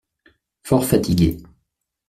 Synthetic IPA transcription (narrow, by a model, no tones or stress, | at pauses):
fɔʁfat̪iɡʲe